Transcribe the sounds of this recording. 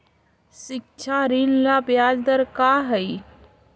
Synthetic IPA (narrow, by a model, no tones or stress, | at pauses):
ʃɪk̚t͡ʃʰaɾiːnlaːpjaːd͡ʒd̪əɾkaːɦɛi